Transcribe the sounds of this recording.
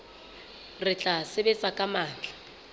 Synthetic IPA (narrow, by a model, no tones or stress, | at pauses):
rɪt͡ɬʼasɪbɛt͡sʼakʼamaːt͡ɬʼḁ